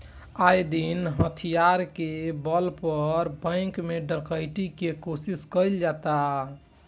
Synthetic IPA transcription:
ajd̪inɦət̪ʰijaɾkebəlpəɾbə̃ɪ̃kmeɖə̃kəjʈikekosiskəjld͡ʒat̪a

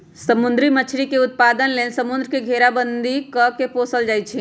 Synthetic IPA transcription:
səmʊ̃nd̪ɾimət͡ʃʰɾikeʊt̪̚paːd̪ənlensəmʊnd̪ɾəkeɡʱeːɾabənd̪ʱikəkepoːsəld͡ʒaːit͡ʃʰi

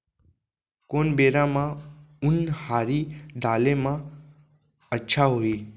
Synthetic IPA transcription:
koːnbeːɾãmãʊnhaːɾiːɖʱaːlemã | ətːʃʰaɦoiː

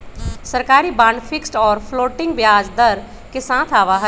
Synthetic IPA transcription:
sɐɾkaːɾibãːɳɖfʰɪksʈɔːɾpʰloːʈɪ̃ŋɡbjaːd͡ʒd̪ɐɾ | kesãːt̪ʰaːʋaɦə

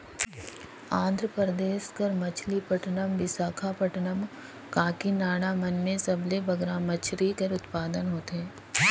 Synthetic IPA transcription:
ãːnd̪ʱɾəpɾɾəd̪eːʃkɐɾmɐt͡ʃʰlipɐʈnəmbɪsaːkʰapɐʈnəm | kãːkinaːɽ̃amɐnmẽsɐblebɐɡɾãmɐt͡ʃʰɾikɐɾʊt̪paːd̪ənɦoːt̪ɛː

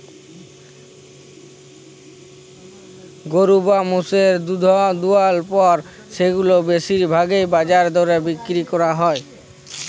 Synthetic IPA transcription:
ɡoɾubamuseɾd̪ud̪ʱɔd̪ualpɔɾ | ʃeɡulobeʃiɾbʱaɡejbad͡ʑaɾd̪oɾebikɾikɔɾaɦɔe

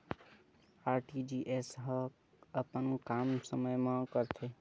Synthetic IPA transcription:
aːɾʈid͡ʒiʔesɦə | əpənkamsəməjmãkəɾt̪ʰe

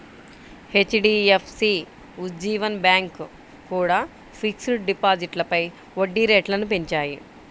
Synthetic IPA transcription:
het͡ʃɖiːepʰsi | ud͡ʒiːʋɐnbjaːŋk | kuːɽaː | pʰiksuʈɖipaːd͡ʒiʈlɐpɐj | ʋoɖːiɾeːʈlɐnupeɲt͡ʃaːji

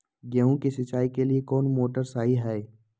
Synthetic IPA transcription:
ɡɛũkisɪt͡ʃaːikeliekɔːnmoːʈəɾsaːɦiɦɛe

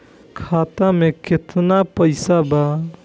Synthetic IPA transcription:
kʰaːt̪amẽkɪt̪napəɪsaba

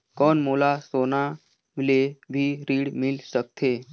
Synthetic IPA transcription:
kɔːnmoːlasoːna | mɪlebʱiɾiːɽmɪlsək̚t̪ʰeː

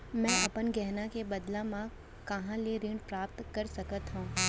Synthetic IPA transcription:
mɛ̃ːɐpənɡɛɦnakebɐd̪lãmã | kɐɦãliɾɪ̃ɳɖpɾaːp̚t̪kɐɾsɐkət̪ɦũː

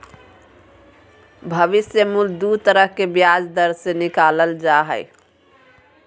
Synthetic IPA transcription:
bʱəʋisjəmuld̪ut̪əɾəɦkebjad͡ʒd̪əɾsenikaləld͡ʒaɦə̰j

